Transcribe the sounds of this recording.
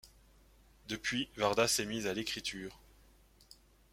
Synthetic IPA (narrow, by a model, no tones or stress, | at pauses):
d̪əpɥivaʁd̪asɛmizalekχit̪ʰyːʁ